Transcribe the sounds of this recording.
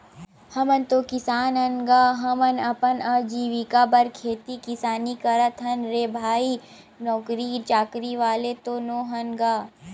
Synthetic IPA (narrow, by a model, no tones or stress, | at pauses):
hɐmənt̪oːkɪsaːnɐnɡaːɦɐmɐnɐpənɐd͡ʒiːʋikabɐɾkʰeːt̪ikɪsaːnikɐɾət̪ʰɦɐnɾeːbʱaːi | nɔːkɾit͡ʃaːkɾiʋaːlet̪oːnoːɦɐnɡaː